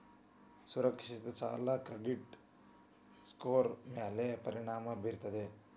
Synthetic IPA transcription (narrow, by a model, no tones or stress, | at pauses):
suɾɐkʂist̪ɐt͡ʃa̰ːlɐkɾeɖiʈ | skoːɾmjaːlepɐɾiɳaːmɐbiɾt̪ɐd̪e